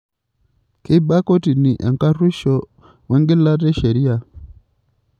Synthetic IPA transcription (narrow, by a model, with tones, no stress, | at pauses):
ki˦ba˦kɔ˦ti˨ni˨ʔɛ˨ŋka˦ri˦ʃɔ˨ | wɛ˦ŋɡi˦la˦ɾɛ˦ʃɛ˨ɾi˦a˨